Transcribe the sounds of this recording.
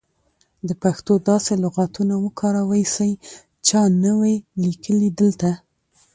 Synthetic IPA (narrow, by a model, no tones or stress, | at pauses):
d̪əpaxt̪od̪ɑselʊɣat̪unawəkʰɑɾawajsaj | t͡ʃɑnəwajlikʰəlid̪əlt̪a